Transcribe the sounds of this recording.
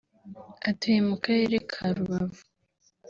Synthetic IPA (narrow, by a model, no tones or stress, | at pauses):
atujemukaɾeɾekʰaɾuβavu